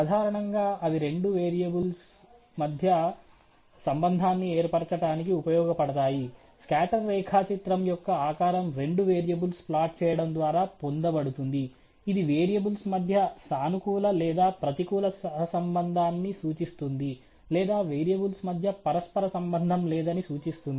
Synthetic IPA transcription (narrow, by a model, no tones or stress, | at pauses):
ɐd̪ʱaːɾɐɳɐŋɡaːɐʋiɾe̞ɳɖuʋeːɾijɐbuls | mɐd̪ʱjɐ | sɐmbɐnd̪ʱaːnːieːɾpɐɽt͡ʃɐʈaːnik̬iupɐjɔːɡɐpɐɽɐt̪aːji | skaːʈɐɾːɛːkʰaːt͡ʃit̪ɾɐmjɔkːɐaːkaːɾɐmɾe̞ɳɖuʋeːɾijɐbulsplaːʈ̚t͡ʃɛːjɐɽɐmd̪ʋaːɾaːpond̪ɐbɐɽut̪und̪iː | d̪iʋeːɾijɐbulsmɐd̪ʱjɐsaːnukuːlɐlɛːd̪aːpɾɐt̪ikuːlɐsɐɦɐsɐmbɐnd̪ʱaːnːisuːt͡ʃist̪und̪i | lɛːd̪aːʋeːɾijɐbulsmɐd̪ʱjɐpɐɾɐspɐɾɐsɐmbɐnd̪ʱɐmlɛːd̪ɐnisuːt͡ʃist̪und̪i